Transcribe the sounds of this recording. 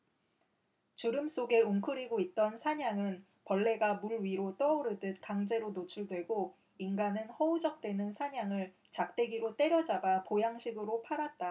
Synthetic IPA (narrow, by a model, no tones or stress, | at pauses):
t͡ɕuɾɯms͈oɡe̞uŋkʰɯɾiɡoit̚t͈ʌnsʰaɲaŋɯn | pʌɭːe̞ɡamuɭɥiɾot͈ʌuɾɯdɯt̚kaŋd͡ʑe̞ɾonot͡ɕʰuɭdwe̞ɡo | inɡanɯnhʌud͡ʑʌk̚t͈we̞nɯnsʰaɲaŋɯɭ | t͡ɕak̚t͈e̞ɡiɾot͈e̞ɾjʌd͡ʑabapojaŋɕʰiɡɯɾopʰaɾat̚t͈a